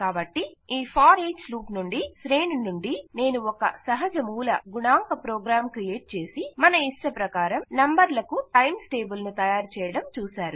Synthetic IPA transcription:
kaːbɐʈːiiːpʰaːɾeːt͡ʃluːpnuɳɖisɾeːnunuɳɖine̞ːnuɔkɐ̰sɐɦɐd͡ʒɐmuːlɐ̰ɡuɳaːŋkɐpɾoːɡɾaːmkɾijeːʈ̚t͡ʃe̞ːsimɐnɐisʈɐpɾɐkaːɾɐmnɐmbɐɾlɐkuʈɐjmsʈe̞ːbulnut̪ɐjaːɾt͡ʃɛːjɐɽɐmt͡ʃuːsaːɾu

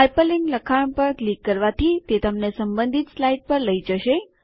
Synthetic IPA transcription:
epəliŋɡləkʰaɳ̃pəɾklikːəɾʋat̪ʰit̪et̪əmnesəmbə̃nd̪ʱit̪slaiɖ̚pəɾləid͡ʒəʃe

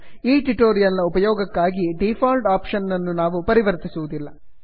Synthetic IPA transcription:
iːʈuʈoːɾijɐlnɐupɐjɔːɡɐkːaːɡiɖifʰaːlɖaːpʃɐnːɐnːunaːʋupɐɾiʋɐɾt̪isuʋud̪ilːɐ

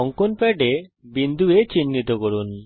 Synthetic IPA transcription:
ɔŋkonpɛʈebind̪ʱuet͡ɕinːit̪okɔɾun

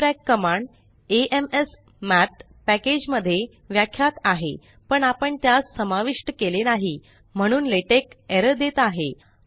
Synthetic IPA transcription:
ɾɛkːəmaɳɖ | eʔemes | mæt̪ | pæked͡ʑməd̪ʱːje | ʋjakʰːjat̪aɦḛ | pəɳapəɳt̪jassəmaʋiʂʈəkelenaɦi | m̤əɽ̃uːnleʈekeɾəd̪et̪aɦe

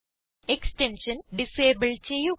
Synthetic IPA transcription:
eksʈenʂɐnɖiseːbɐɭt͡ɕejːu

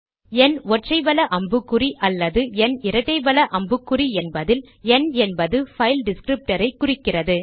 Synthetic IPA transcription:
ɛnɔʈrɐɪʋɐlɐʔɐmbɯkːɯriʔɐlːɐðɯɛnɪɾɐʈːɐɪʋɐlɐʔɐmbɯkːʊriɛnbɐðɪl | ɛnɛnbɐðɯfɐɪlɖɪskɾɪp̚ʈɐɾɐɪkːʊrɪkːɪrɐðɯ

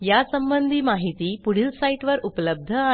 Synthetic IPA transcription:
jasəmbənd̪ʱiːmaɦit̪iːpuɽ̤ilsaiʈʋəɾupləb̚d̪ʱəa

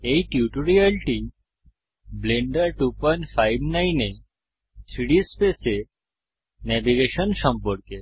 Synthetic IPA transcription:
ejʈjuʈoɾialʈi | bleɳɖaʈupɔnfajbnajne | tʰɾiɽispese | nɛbiɡeʃɔnʃɔmpɔɾke

